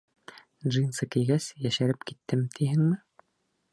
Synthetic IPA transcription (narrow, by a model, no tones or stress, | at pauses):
ʒinsɤkɘ̆jɡæsjæʃæɾɘpkit̪ːɘmt̪ʰiɦɘŋmɘ